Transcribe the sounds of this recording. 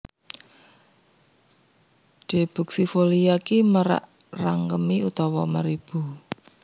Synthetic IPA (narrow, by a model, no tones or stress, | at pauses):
ɖ̥e̤b̥ṳk̚sifolijakiməɾa̰ʔ | raŋkəmiut̪ɔwɔməɾib̥ṳ